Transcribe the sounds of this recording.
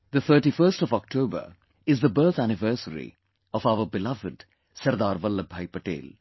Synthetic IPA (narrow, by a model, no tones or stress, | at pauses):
d̪ət̪ʰəːʈifəɾsʈɔʋɔk̚ʈʰoːbə̰ɾ | ɪzd̪əbəɾt̪ʰænɪʋəːsəɾḭ | ɔfaʊəbɪlʌʋɪɖ | sɐɾd̪aːɾʋəlːəbʱaɪpəʈḛːl